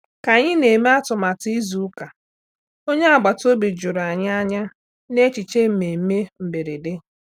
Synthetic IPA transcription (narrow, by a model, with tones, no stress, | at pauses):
ka˨ɲɪ˦ne˨me˦a˦tʊ˨ma˨ti˦zu˨˦ka˨ | o˦ɲe˦a˨ɡ͡ba˨to˦bi˨d͡ʒu˨ɾa˨ɲa˦a˦ɲa˦ | ne˦t͡ʃi˨t͡ʃe˦m̩˨me˨˦me˦m̩˨be˨ɾe˨de˦